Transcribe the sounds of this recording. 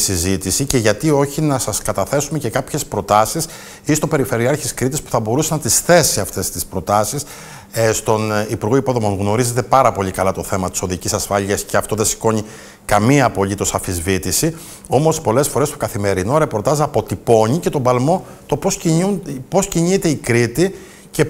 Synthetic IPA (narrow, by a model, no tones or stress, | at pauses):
sizit̪isice̞ʝɐt̪io̞çinɐsɐskɐt̪ɐθe̞sume̞ce̞kɐpçe̞spɾo̞t̪ɐsis | ist̪o̞pe̞ɾife̞ɾiɐɾçiskɾit̪ispu̥θɐbo̞ɾusenɐt̪isθe̞siɐft̪e̞st̪ispɾo̞t̪ɐsis | st̪o̞nipuɾɣo̞ipo̞ðo̞mo̞ŋɣno̞ɾize̞t̪e̞pɐɾɐpo̞ʎikɐlɐt̪o̞θe̞mɐt̪i̥so̞ðicisɐsfɐʎiɐsce̞ɐft̪o̞ðesi̥ko̞ɲi | kɐmiɐpo̞lit̪o̞sɐfizvit̪isi | o̞mo̞spo̞le̞sfo̞ɾe̞st̪okɐθime̞ɾino̞ɾe̞po̞ɾt̪ɐzɐpo̞t̪ipo̞ɲice̞t̪o̞bɐlmo̞ | t̪o̞posupo̞sciɲit̪e̞ikɾit̪i | ce̞